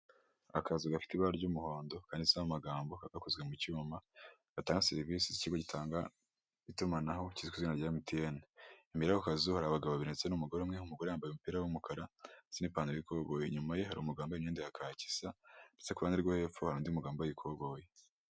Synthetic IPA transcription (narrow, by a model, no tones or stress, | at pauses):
a̰kazuɡafi̥tiβaɾɟumuho̞ːndo̞kaːndisaamaɡaːmbokaɡakuzɡwemucuma | ɡ̥ataːŋɡaseɾivisiziciɡo̞ɟitʰaːŋɡa | itumanaɦo̞cizikuzwinaɟiamutieneimiɾakokazuhaɾaβaɡaβoβeɾnet͡senumuɡo̞ɾemŋeumuɡo̞ɾejaːmbajumupiːɾawumukaɾaz̥inipaːndojikoɡoːjeɲumaje̞haɾḭumuɡaːmboimɲeːndihakʰaːci̥sandet͡sekuβaːndiɾɡwohe̞ːp͡fohaɾuːndiumuɡaːmboikʰo̞ɡo̞ːje